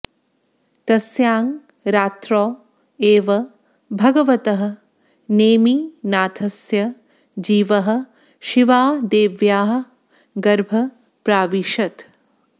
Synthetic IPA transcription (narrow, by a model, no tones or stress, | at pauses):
t̪ɐsjaːŋ | ɾaːt̪ɾoː | eːʋɐ | bʱɐɡɐʋɐt̪ɐɦɐ̆ | neːminaːt̪ʰɐsjɐ | d͡ʒiːʋɐɦɐ̆ | ʃiʋaːd̪eːʋjaːɦɐ̆ | ɡɐɾbʱɐ | pɾaːʋiʃɐt̪